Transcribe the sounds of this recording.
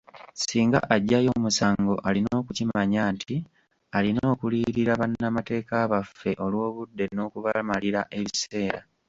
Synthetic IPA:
siːŋɡa̰ʔaɟːajo̞musaːŋɡo̞ʔalino̞ːkucimaɲaːntʰi | alino̞ːkuliːɾiɾaβanːamate̞ːkaːβafːe̞ʔo̞lwo̞ːβudːe̞no̞ːkuβamaliɾaʔe̞βise̞ːɾa

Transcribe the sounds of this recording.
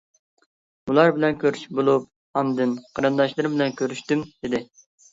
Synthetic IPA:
ulˠɑɾbɪlɛnkʲʰøɾyʃbolˠup̚ | ɑnd̪ɨnqʰɑɾɨnd̪ɑʃlˠɨɾbɪlɛnkʲʰøɾyʃt̪ymd̪ɪd̪ɪ

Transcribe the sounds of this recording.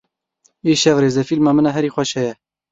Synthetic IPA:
eːʃɛvreːzɛfilmɑːmɨnɑːɦɛɾiːxʷɛʃhɛjɛ

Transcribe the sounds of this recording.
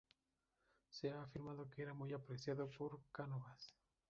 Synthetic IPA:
seaːfiɾmaðokeeɾamujapɾesjaðopoɾkanoβas

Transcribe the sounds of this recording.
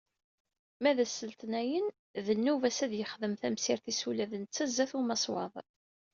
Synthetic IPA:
mæðæsːəlt̪næjən | ðənːuvæsæðjəχðəmθæmsiɾθisulæðənt͡sːæzːæθumɑsˤwɑ̰ðˤ

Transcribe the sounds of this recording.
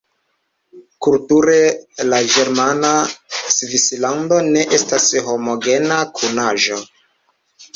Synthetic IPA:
kultuɾe̞lad͡ʒe̞ɾmanasvislando̞ne̞ʔe̞stasho̞mo̞ɡe̞nakʰunaʒo̞

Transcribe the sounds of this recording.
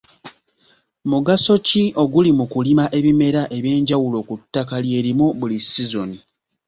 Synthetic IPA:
muɡaso̞cio̞ɡulimukulimaʔe̞βime̞ɾaʔe̞βje̞ːɲɟawulo̞kutːakalje̞ːɾimuβulisizo̞ni

